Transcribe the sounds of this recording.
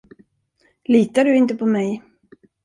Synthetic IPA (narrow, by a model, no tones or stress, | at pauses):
liːt̪aɖɵɪnt̪əpʰɔmɛj